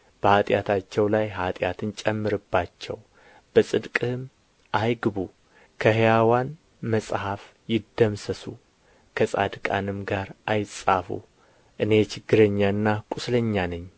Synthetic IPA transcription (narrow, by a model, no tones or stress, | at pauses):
b̥əhat̪ʼjat̪ʰat͡ʃːɛwlajɦat̪ʼjat̪ʰɨnt͡ʃʼɛmːɨɾɨbːat͡ʃːɛ̰w | b̥əsʼɨd̪kʼɨm | ʔajɡɨβu | kʰəhjawan | məsʼhaf | jɪd̪ːəmsəsu | kʰəsʼa̰d̪kʼa̰nɨmɡaɾʔajɪsʼafṵ | ʔɨne̞t͡ʃʰɪɡːɨɾəɲːaɨnːakʼʊsləɲːanəɲː